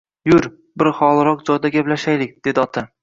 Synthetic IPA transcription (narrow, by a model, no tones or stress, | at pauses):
jʊɾ | bɪɾχɒlˠɾɒq̚d͡ʒɒjd̪aɡʲablaʃajlɪk̚ʲd̪̥e̞d̪ɪɒt̪ʰa